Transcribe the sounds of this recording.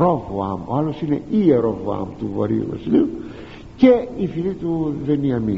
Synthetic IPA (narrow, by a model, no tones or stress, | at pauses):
ɾovoa̰moalosinḛieɾovoa̰mt̪uvɐ̰ɾio̰vɐ̰siliu | ceifilit̪uveniɐmi